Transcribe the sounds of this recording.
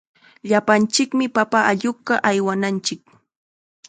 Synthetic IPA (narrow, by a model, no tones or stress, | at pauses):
ʎapant͡ʃɪkmɪpapaʔaʎʊkɑʔajwanant͡ʃɪk̚